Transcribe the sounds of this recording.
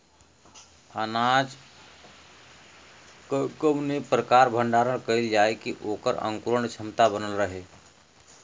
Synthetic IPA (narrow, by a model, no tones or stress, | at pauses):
ənad͡ʒ | kkəmnipɾəkaːɾbʱəɳɖaːɾəɽ̃kəild͡ʒaːekiʔoːkəɾə̰̃ŋkuɾəɳt͡ʃʰəmt̪abənəlɾəɦeː